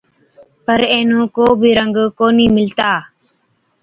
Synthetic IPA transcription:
pəɾẽːnũːkoːbʱiːɾəŋɡkoːniːmɪlt̪aː

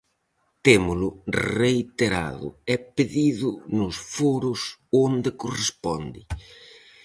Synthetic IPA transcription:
t̪emʊlʊrreit̪eɾa̰ðʊ̰ɛpeðiðʊnʊsfoɾʊsond̪ekorespɔnd̪ɪ

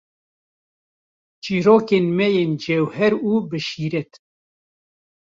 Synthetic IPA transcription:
t͡ʃiːɾoːkeːnmɛjeːnd͡ʒewhɛɾuːbɨʃiːɾɛt̪

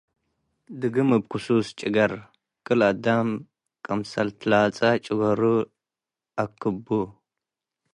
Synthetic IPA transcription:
dɨɡɨmɨb̚kusust͡ʃʼiɡɐɾ | kʼɨladam | kʼɐmsɐltʰlat͡sʼat͡ʃʼiɡɐɾu | akːɨbu

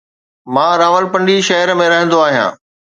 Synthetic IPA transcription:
mãːɾaːʋəlpɐ̃ɳɖiʃɐɦəɾmẽɾɐɦə̃nd̪oaːɦijã̰ː

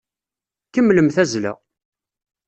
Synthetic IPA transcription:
kəmːləmθæzlæ̰

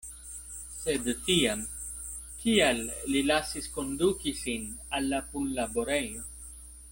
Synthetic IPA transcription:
sed̪t̪iam | kialːilasiskond̪ukisinalːapunlaboɾejo

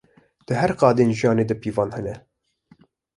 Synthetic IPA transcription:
d̪̥ɨɦɛɾqɑːd̪eːnʒijɑːneːd̪ɨpʰiːvɑːnhɨnɛ

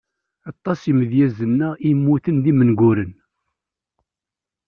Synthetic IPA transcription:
ɑt̪ˤːɑsiməðjæzənːæimːuθənðimənɡʷʊɾən

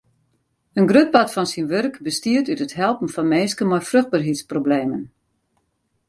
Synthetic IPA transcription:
ənɡrøt̚batfɔnsinʋørkbəstiətytətɦɛlˠpn̩fɔnmeːskəmɔjfrøxd̚barɦitsprobleːmən

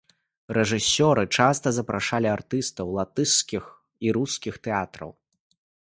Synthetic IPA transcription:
rɛʐɨsʲɔɾɨt͡ʂast̪ɐzɐpɾaʂalʲiart̪ɨst̪ɐwlˠat̪ɨskʲix | iɾuskʲixt̪ɛat̪ɾɐ̰w

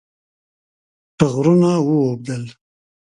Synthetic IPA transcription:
ʈəɣɾunawuwob̚d̪əl

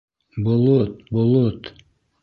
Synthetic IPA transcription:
bolˠot̪̚bolˠot̪

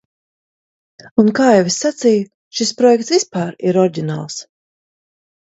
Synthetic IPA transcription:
unkaːɛwesːat̪sijʊ | ʃispɾɔjɛkt̪svispaːɾiɾɔɾɟʲina̰ːlˠs

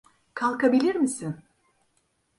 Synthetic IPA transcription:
kʰalˠkabilʲiɾmisɪn

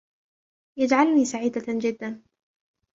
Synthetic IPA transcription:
jad͡ʒʕalniːsaʕiːd̪ad͡ʒɪd̪ːan

